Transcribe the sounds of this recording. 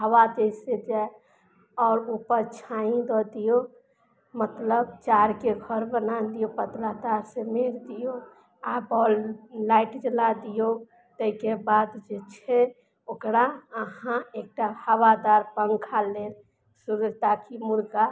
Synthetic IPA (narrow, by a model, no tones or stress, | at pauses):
ɦəwad̪esed͡ʒa | ɔːɾupəɾt͡ʃʰaĩd̪ɔd̪ijo | mət̪ləbt͡ʃaɾkeɡʱəɾbənad̪ijopət̪lat̪aɾsemeɾd̪ijo | abɔːllaɪʈd͡ʒəlad̪ijo | t̪əikebad̪d͡ʒet͡ʃʰe | okɾaəɦãek̚ʈahəwad̪aɾpəŋɡkʰale | suɾud͡ʒt̪akʰimuɾɡa